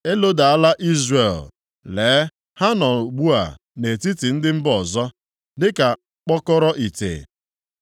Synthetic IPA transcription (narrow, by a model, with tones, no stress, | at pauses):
e˦lo˦da˨a˦la˦ʔi˦zre˨l | leː˨˦ | ha˦nɔ˨ɡ͡bu˦a̰˨ | ne˨ti˦ti˨n̩˦dɪ˦m̩˦bɔ˨zɔ˦ | dɪ˦ka˨ | k͡pɔ˦kɔ˦ɾɔ˦ʔi˨tḛ˨